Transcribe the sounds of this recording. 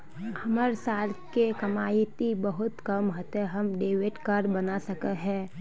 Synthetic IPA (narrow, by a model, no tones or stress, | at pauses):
hɐməɾsaːlkekɐmaːit̪ibəɦʊt̪kəmɦot̪eɦɐmɖeːweʈkaɾbɐnasəkətɦɛ̃ː